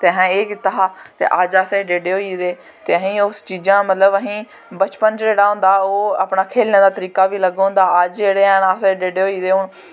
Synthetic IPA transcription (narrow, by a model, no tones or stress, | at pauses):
t̪eːɦɛ̃eːkt̪əɦaːt̪ḛːʔəd͡ʒaːseɖeːɖeːɦoːiːd̪eː | t̪eːəɦĩːʊst͡ʃiːd͡ʒãːmət̪ləbəɦĩː | bət͡ʃpənd͡ʒd͡ʒeːɽaːɦʊ̃ːnd̪aːoːa̰ːpɳaːkʰeːlnẽːd̪aːt̪əɾiːkaːʋiːləɡõʊ̃ːnd̪aːəd͡ʒd͡ʒeːɽeːɛnaːseɖeːɖeːɦoːiːd̪eːɦʊɳ